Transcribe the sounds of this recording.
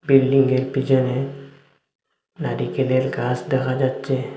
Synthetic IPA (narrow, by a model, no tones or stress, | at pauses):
bilɖiŋɡelpid͡ʒəne | naɖikelelkasd̪ekʰad͡ʒatt͡ʃe